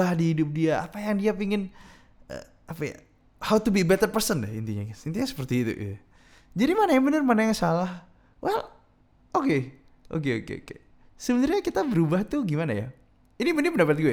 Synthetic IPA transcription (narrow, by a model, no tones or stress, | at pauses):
ahdiɦidʊp̚diaʔa̰pajaŋdiapiŋɪn | ə̰ | apaja̰ | hawt̪ubibɛt̪ərpərsəndɛhḭnt̪iɲa̰kasint̪iɲasə̥pərt̪iːt̪ṵʔ | d͡ʒadimanajabənərmanajaŋsalah | wʔɛl | oke | ʔo̰keo̰kḛo̰kḛ | səbənarɲakit̪abəɾubaht̪uɡimanaja̰ | inimənɪpəndapat̪̚ɡua